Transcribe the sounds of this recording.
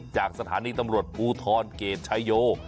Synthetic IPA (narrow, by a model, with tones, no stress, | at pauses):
t͡ɕaː˨˩k̚sa˧t̪ʰa̰ː˩˦niː˧t̪a˧mɾu˨˩ət̪̚pʰuː˧t̪ʰɔː˧nkeː˨˧nt͡ɕʰa˦˥jjoː˧˩